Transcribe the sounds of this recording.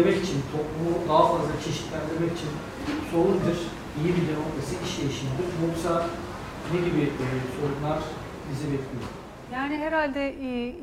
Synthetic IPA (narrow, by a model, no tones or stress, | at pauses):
emɛcit͡ʃʰint̪ʰo̞plˠumud̪aɦafazlˠat͡ʃʰe̞ʃi̥t̪lʲænd̪iɾmɛci̥t͡ʃʰin | so̞lˠund̪ɯɾ̥ | ijibilʲenolt̪ʰasɯiʃjejiʃinb̪umoksa | ned̪ibiso̞ɾumlˠaɾ̥ | bizɛbɛt̪ʰlʲijo̰ɾm | jaːniɦeɾalʲd̪ɛ